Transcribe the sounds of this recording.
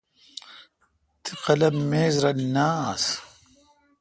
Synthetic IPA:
t̪ʰɨqɐlɐmːeːzɾɐnaːs

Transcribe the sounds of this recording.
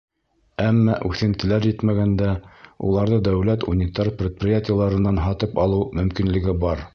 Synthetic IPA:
æmːæʔʉθɘ̆nt̪ɘ̆læɾjɘt̪mæɡænd̪æṵlˠɑɾðɤd̪æwlæt̪unʲɪt̪arprʲɪt̪̚prʲɪjatʲɪjalˠɑɾɤ̆nːɑnɦɑt̪ɤpɑlˠɤwmɵ̆mkinlɘ̆ɡɘbɑɾ

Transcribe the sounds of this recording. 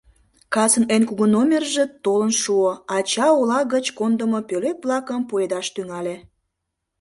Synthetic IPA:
kɑsənenkuɣənomʲerʒet̪olənʃuoɑt͡ɕɑolɑɣət͡ɕkond̪əmopøløp̚βlɑkəmpued̪ɑʃt̪yŋɑlʲe

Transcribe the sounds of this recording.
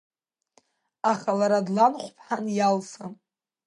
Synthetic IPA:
aχalaɾadlanħʷpʰħanjalsa

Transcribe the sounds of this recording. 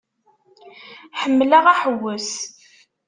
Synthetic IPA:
ħəmːlæʁæħəwːəs

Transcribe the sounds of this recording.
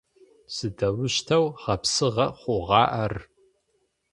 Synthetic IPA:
sɨdɐwʊʃtʰɐwʁɐpsɨʁɐχʷʊʁɑːʔɐr

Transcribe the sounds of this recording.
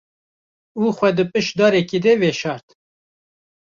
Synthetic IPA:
uːxʷɛd̪ɨpɨʃd̪ɑːɾɛkid̪ɛveʃɑːɾt̪

